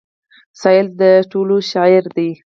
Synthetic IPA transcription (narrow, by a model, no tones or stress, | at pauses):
sɑjɪld̪əʈoloʃɑɪɾd̪i